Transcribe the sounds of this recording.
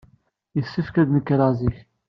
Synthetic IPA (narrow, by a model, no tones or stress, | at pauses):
jəsːifkæðnəkːɾˤɑziç